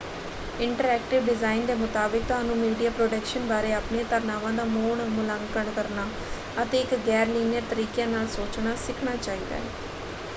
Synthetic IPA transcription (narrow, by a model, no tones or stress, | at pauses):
ɪɳʈəɾɛːkʈɪʋɖɪzaːind̪eːmʊt̪aːbɪk̚t̪ʊɦaːnũːmiːɖijaːpɾoːɖəkʃənbaːɾeːaːpneːt̪əɾnaːʋãːd̪aːmoːɳmʊlaːŋkəɳkəɾnaː | ət̪eːɪkɡɛːɾliːniəɾt̪əɾiːkjẽːnaːlsoːt͡ʃnaːsɪkʰɳaːt͡ʃaːiːd̪a̰ːɛː